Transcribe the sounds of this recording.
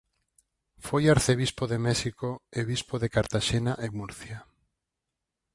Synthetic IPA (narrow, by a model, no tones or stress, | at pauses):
fojaɾθeβispoðemɛʃikoeβispoðekaɾt̪aʃenaʔemuɾθja